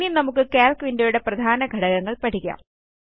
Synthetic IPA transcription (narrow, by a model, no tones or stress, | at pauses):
inɐmukːɨkeːlkʋindojuɽe̞prɐd̪ʱaːnɐɡʱɐɽɐɣɐŋːɐɭpɐʈʰikʲːa̰m